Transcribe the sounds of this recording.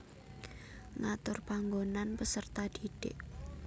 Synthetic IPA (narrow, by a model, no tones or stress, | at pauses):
ŋat̪ʊrpaŋɡonanpəsərt̪ad̥iɖ̥ɪ̰ʔ